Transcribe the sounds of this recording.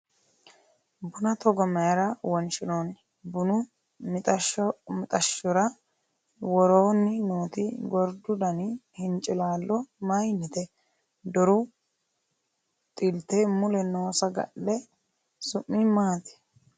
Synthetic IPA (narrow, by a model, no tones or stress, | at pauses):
bʊnɐt̪ɔɡɔmɐjɐɾɐwɔnt͡ʃɪnoːn | bʊnʊ | mɪt̪ʼɐmɪt̪ʼɐʃːɔɾɐ | wɔɾoːnːɪnoːt̪ɪɡɔɾd̪ʊd̪ɐnɪhɪnt͡ʃʼɪlaːlːɔmɐjnːɪt̪ɛ | d̪ɔɾʊ | t̪ʼɪlt̪ɛmʊlɛnoːsɐɡɐ̰ʔːɛ | sʊʔːɪmaːt̪ɪ̥